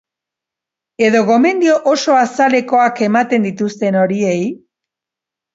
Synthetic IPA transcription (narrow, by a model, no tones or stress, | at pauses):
e̞ðo̞ɣo̞me̞nd̪io̞ʔoso̞asale̞ko̞ake̞mat̪e̞nd̪it̪ust̪e̞no̞ɾie̞j